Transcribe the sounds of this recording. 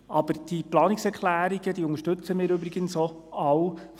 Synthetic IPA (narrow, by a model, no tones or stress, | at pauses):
ʔɑb̥əɾd̥iplɑːniksɛɾkʰlæːɾiɡəd̪iʊŋəʃtɵt͡səmɪːɾʏbɾɪɡ̥ənso | ɑw